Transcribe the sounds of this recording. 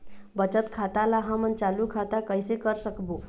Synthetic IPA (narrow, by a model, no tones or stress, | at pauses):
bət͡ʃət̪kʰat̪alaɦamənt͡ʃalukʰat̪akəjsekəɾsəkbo